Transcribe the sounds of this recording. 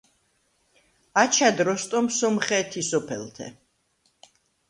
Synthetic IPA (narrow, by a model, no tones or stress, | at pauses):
at͡ʃʰad̪ɾɔst̪ʼɔmsɔmχɛt̪ʰisɔpʰɛ̰lˠt̪ʰɛ̰